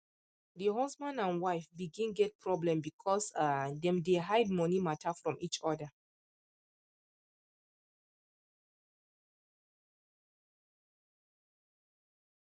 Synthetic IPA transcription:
diɦɔsmãnãnwaɪfbiɡĩnɡɛt̚pʰɹɔblɛ̃mbikʰɔsadɛ̃mdeɦaɪd̚mɔnimatʰafɹɔ̃mʔit͡ʃɔdə

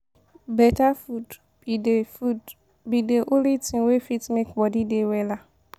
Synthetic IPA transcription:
bɛtafud | ud | bideʔolitʰĩwefitmekbɔdidewɛla

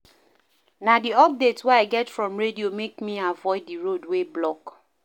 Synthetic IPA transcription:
nadiɔp̚detswɛaɪɡɛtfɹɔ̃mɹediomekmiavɔɪdːiɹodweblɔk

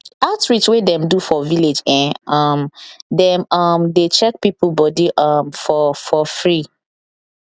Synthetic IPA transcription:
atɹit͡ʃwedɛ̃mdufɔviled͡ʒɛ̃nʌmdɛ̃mʌmdet͡ʃɛk̚pipulbɔdiʔʌmfɔfɔfɹi

